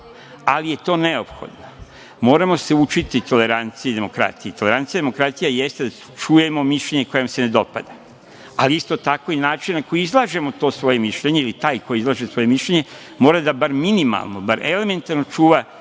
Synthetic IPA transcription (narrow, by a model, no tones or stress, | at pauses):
alije̞t̪o̞ːneo̞pxo̰d̪no | mo̞ːɾamo̞se̞ut͡ʃit̪it̪o̞le̞ɾant̪sijed̪e̞mo̞kɾa̰t̪ijit̪o̞le̞ɾant̪ijad̪emokɾat̪ijaje̞st̪ed̪a | t͡ʃuje̞mo̞miʃʎʲe̞ɲe̞ko̞jomse̞ne̞d̪o̞pa̰d̪a | aliist̪o̞t̪ako̞inaːt͡ʃinnako̞jiizlˠaːʒe̞mo̞t̪o̞ːsʋo̞je̞miʃʎe̞ɲe̞ilit̪aːjko̞jiizlˠaːʒesʋo̞je̞miʃʎe̞ɲe̞ | mo̞ːɾad̪abaɾminima̰lˠno̞baɾʔe̞le̞me̞nt̪aɾno̞t͡ʃuːʋa